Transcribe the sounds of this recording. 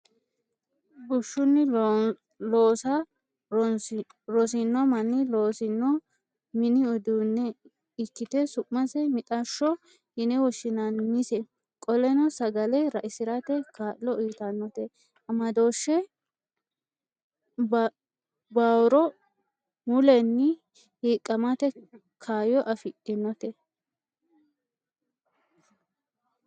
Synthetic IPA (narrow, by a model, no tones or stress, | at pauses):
bʊʃːʊnːɪ | loːsɐ | ɾɔsɪnːɔmɐnːɪloːsɪnːɔ | mɪnɪɔd̪uːnːɛ | ɪkːɪt̪ɛsʊʔmɐsɛmɪt̪ʼɐʃːɔ | hɪnɛwɔʃɪnɐnmɪsɛ | kʼɔlɛnɔsɐɡɐlɛɾɐʔɪsɪɾɐt̪ɛkʰaːʔːɔʔiːt̪ɐnːɔt̪ɛ | ɐmɐd̪o̞ːʃːɛ | baːwɾɔ | mʊlɛnːɪ | hiːkʼːɐmat̪ɛ | kʰaːjɔʔɐfɪʔʼɪnːɔt̪ɛ